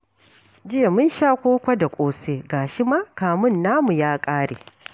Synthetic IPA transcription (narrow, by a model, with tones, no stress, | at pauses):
d͡ʒɪ˦e˨mʊ˦nʃaː˦kʷoː˦kʷa˦da˨kʷʼoː˦seː˦ɡaː˨ʃi˦maː˦kaː˨mʊ˦nːaː˦mu˨jaː˦kʼaː˦ɽḛː˨